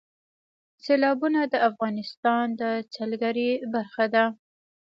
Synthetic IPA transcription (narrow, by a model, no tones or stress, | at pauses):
selɑbunad̪əafɣɑnɪst̪ɑnd̪ət͡salɡaɾibaɾxad̪a